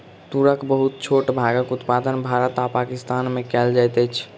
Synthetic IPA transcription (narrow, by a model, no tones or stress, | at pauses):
t̪uɾəkbəɦut̪̚t͡ʃʰoʈbʱaɡəkut̪pad̪ənbʱaɾət̪apakist̪anmẽkɛld͡ʒajt̪ɛt͡ʃʰ